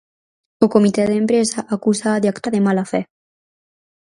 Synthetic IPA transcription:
okomit̪ɛðempɾezaʔakusaðeakt̪aðemalafɛ

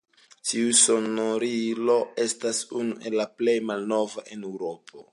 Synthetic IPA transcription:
tiuso̞noɾilo̞e̞stasunuʔe̞lːaple̞jmalno̞vaʔenewɾo̞pʰo̞

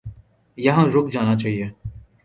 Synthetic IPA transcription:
jɐɦãɾʊkd͡ʒaːnat͡ʃaːɦieː

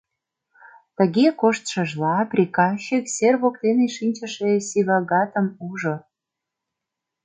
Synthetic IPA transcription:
t̪ə̆ɣekoʃt̪ʃə̆ʒlɑprʲikɑɕikserβokt̪eneʃinʲt͡ɕə̆ʃesiβɑɣɑt̪ə̆muʒo

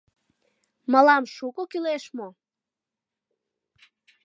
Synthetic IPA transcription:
məlɑmʃukokyleʃmo

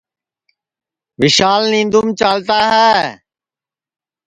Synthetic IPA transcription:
ʋɪʃaːlnĩːnd̪uːmt͡ʃaːlt̪aːɦɛː

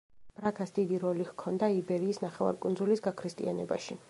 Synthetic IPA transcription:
b̥ɾakʰasd̪id̪iɾɔlihkʰɔnd̪aibɛɾiːsnaχɛva̰ɾkʼund̪zulisɡakʰɾist̪ʼḭanɛba̰ʃi

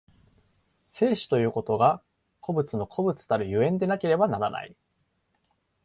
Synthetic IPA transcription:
se̞ːɕi̥t̪o̞jɯ̟ːko̞t̪o̞ɡa | kʰo̞bɯ̟t͡sɨno̞kʰo̞bɯ̟t͡sɨ̥t̪aɾɯ̟jɯ̟ẽ̞nd̪e̞nake̞ɾe̞banaɾana̰ḭ

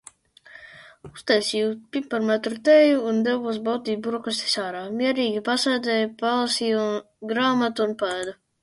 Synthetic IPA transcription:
ust̪ɛjsʲiːupimpaɾmɛt̪ɾut̪ɛjuːnd̪ɛvuɔs̬bawt̪iːbuɾɔkast̪ɛ̥saːɾaːmʲiɛɾiːɡʲipasajd̪zɛjpalˠasiːu | ɡɾaːmat̪uunpaɛd̪u

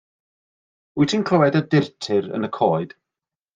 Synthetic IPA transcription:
ʊjtʰinkʰl̥əwɛdədɪrtʰɪɾə̰nəkʰɔːɨd̥

